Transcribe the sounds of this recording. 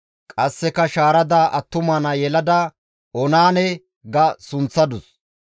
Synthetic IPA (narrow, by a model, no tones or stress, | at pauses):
kʼɐsːɛkɐʃaːɾɐd̪aːʔɐt̪ːʊmaːnɐjɛlɐd̪ɐ | ʔɔnaːnɛ | ɡɐsʊnt͡sːɐd̪ʊs